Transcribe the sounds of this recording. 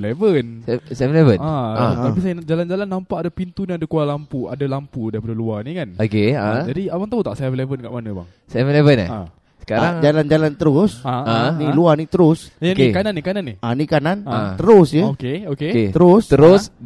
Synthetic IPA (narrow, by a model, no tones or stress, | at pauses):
levənsɛvlevənaaapisajad͡ʒaland͡ʒalanːampaʔadapint̪uniadakualampua̰dalampudaɾip̬adaluanikanokead͡ʒadiawaŋt̪aut̪aʔsajavlevənkaʔmanəba̰ŋ | sɛvlevəna̰ | sə̥kaɾaŋd͡ʒaland͡ʒalant̪əɾʊsaaniluanit̪əɾʊsaokekananːikananːianikananat̪əɾʊsjəokeokeket̪əɾʊst̪əɾʊs